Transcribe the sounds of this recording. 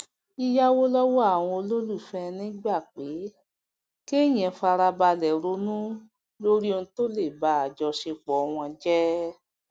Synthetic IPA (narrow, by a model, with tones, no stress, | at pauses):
i˧ja˦wo˦lɔ˦wɔ˦a˦˨w̃ɔ̃˧o˧lo˦lu˦˨fɛ˧nĩ˦ɡ͡ba˦˨k͡pe˨˦ | ke˦˨j̃ɛ̃˨˧˨fa˧ɾa˧ba˧lɛ˨ɾo˨˦nũ˦ | lo˦ɾi˦o˧nũ˧to˦le˦˨ba˨˦a˨d͡ʒɔ˧ʃe˧k͡pɔ˨˧w̃ɔ̃˧d͡ʒɛ˦